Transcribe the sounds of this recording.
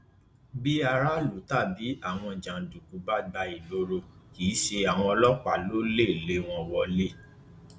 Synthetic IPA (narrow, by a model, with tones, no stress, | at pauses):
bi˦a˧ɾa˦lo˨˦ta˦˨bi˨˦a˦˨w̃ɔ̃˧d͡ʒã˨du˨ku˨˦ba˦ɡ͡ba˧i˨lo˨˦ɾo˧kiː˨˦ʃe˧a˨w̃ɔ̃˧ɔ˧lɔ˦k͡pa˦˨lo˨˦le˦˨le˦w̃ɔ̃˧wɔ˨le˦˨